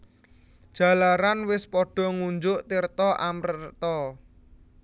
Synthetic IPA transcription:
d̥ʒ̥ä̤laɾanwɪspɔɖ̥ɔ̤ŋuɲd͡ʒʊʔt̪irt̪ɔʔamrət̪ɔ

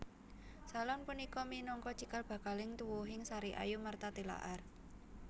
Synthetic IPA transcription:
salɔnpunikɔminɔŋkɔt͡ʃikalb̥ä̤kalɪŋt̪uwuɦɪŋsaɾiʔa̰jumart̪at̪ila̰ʔar

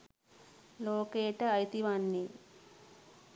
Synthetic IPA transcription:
loːkeːʈɐɐjt̪iʋanːi

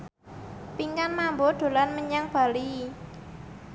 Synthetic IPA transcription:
piŋkanmamboɖ̪̥o̤lanməɲaŋb̥a̤li

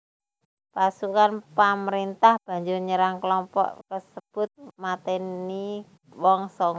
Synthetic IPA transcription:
pasukanpaməɾint̪ahb̥a̤ɲd͡ʒʊrɲəɾaŋkəlɔmpɔ̰ʔkəsəb̥ʊt̪̚mat̪ɛni | wɔŋsɔŋ

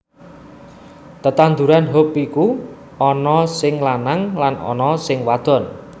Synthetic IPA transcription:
t̪ət̪and̪ṳɾanɦopiku | ɔnɔsɪŋlanaŋlanɔ̰nɔsɪŋwad̪̥ɔ̤n

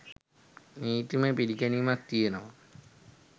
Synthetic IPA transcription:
niːt̪imepiɾikɐnijumɐk̚t̪ijenɐʋɐ

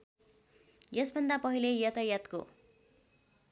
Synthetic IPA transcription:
jʌsbʱʌnd̪apʌɦilejʌt̪ajʌt̪ko̰

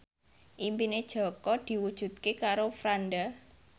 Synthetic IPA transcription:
ʔimpined̥ʒ̥ɔ̤kɔd̪̥i̤wud̥ʒ̥ṳt̪̚kekaɾofɾanɖa

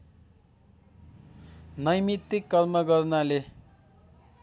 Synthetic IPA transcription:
nʌjmit̪ːikːʌlmʌɡʌrnale

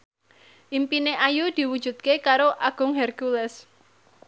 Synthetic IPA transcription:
ʔimpineʔajud̪̥i̤wud̥ʒ̥ṳt̪̚kekaɾoʔaɡ̥ʊ̤ŋɦɛrɡulɛs

